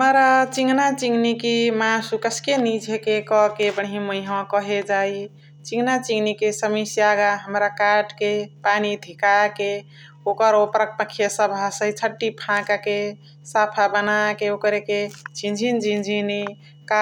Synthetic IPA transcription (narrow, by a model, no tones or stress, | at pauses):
ɦəmɾat͡ʃiŋɡnat͡ʃiŋɡnikimãsukəskenid͡ʒʱekekɔkebəɽɦiməjɦãkɔɦed͡ʒaj | t͡ʃiŋɡnat͡ʃiŋɡnikesəmisijaɡaɦəmɾakaʈʰkepanid̪ʱikake | okəɾopɾək̚pəkʰːjesəbʱasəit͡ʃʰəʈːipʰãkake | sapʰabənakeokɾeket͡ʃĩnd͡ʒʱind͡ʒĩnd͡ʒʱini | ka